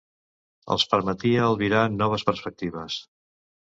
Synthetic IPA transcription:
ə̰lˠspəɾmət̪iəːlˠβiɾaənːɔβ̞əspəɾspək̚t̪iβ̞əs

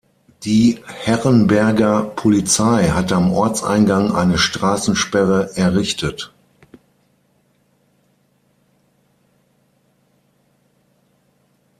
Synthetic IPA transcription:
d̥iːhɛʁənbɛɐɡɐpʰolit͡saɪɦatəamʔɔɐt͡sa̰ɪnɡaŋʔa̰ɪnəʃtʁ̥aːsn̩ʃpɛʁəɛɐʁɪçtət

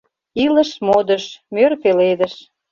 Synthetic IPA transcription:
ilə̆ʃmod̪əʃmørpeled̪ə̆ʃ

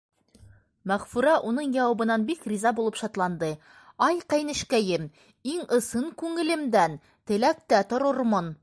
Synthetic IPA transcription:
mæʁfuɾɑʔun̪ɤɴjɒwɑbɤ̆nɑnbikrʲizɑbulˠɤpʃɒt̪lˠɑnd̪ɤ | ɒjqæjnɘ̆ʃkæjɘm | iŋɤ̆sɤɴkʉŋɘ̆lɘ̆md̪æn | t̪ɘ̆læk̚t̪æt̪ŏɾɤɾmɤn

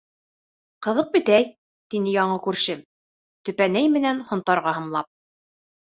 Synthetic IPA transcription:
qɤ̆ðɤq̚bɘ̆t̪æj | t̪inɘjɑɴɤkʉɾʃɘ | t̪ɵ̆pænæjmɘ̆nænhŏnt̪ɑɾʁɑhɤ̆mlˠɑ̰p̚

